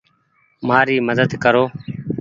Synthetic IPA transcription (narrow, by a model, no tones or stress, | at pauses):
maːɾiːməd̪əd̪kəɾoː